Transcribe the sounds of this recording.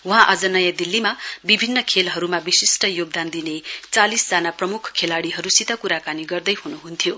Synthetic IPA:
ũɦãʔʌd͡zʌnʌjad̪ilːimabibʱinːʌkʰelɦʌɾumabisisʈʌjoɡ̚d̪and̪inet͡salisd͡zanaprʌmukʰkʰelaɽiɦʌɾusit̪ʌkuɾakaniɡʌrd̪ʌjɦunuɦunt̪ʰjo

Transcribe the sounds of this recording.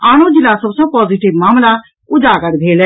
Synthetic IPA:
aːñõːd͡ʒɪlaːsəbsəb̚pɔːziːʈɪʋmaːmlaː | ʊd͡ʒaːkəɾbʱeːlɛ

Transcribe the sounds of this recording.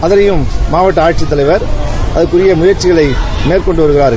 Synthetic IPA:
ɐðɐɾɐjɯmːaːʋɐʈːɐaːɾt͡ʃɪt̪ːɐlɐɪʋɐɾʔɐðɐɾkːɯɾɪjɐmʊjɐɾt͡ʃɪɣɐɭɐɪmeːrkɔɳɖɯʋɐɾɯɣɪɾaːɾɣ

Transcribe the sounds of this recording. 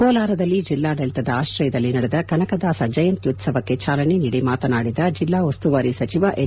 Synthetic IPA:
kɔːlaːɾɐd̪ɐlːid͡ʒilːaːɖelt̪ɐd̪ɐaːʃɾɐjɐd̪ɐlːinɐɽɛd̪ɐkɐnɐkɐd̪aːsɐd͡ʒɐjɐnt̪jut̪sɐʋɐkːet͡ʃaːlɐneniɽimaːt̪ɐnaːɽid̪ɐd͡ʒilːaːʋɐst̪uʋaɾisɐt͡ʃiʋɐʔe

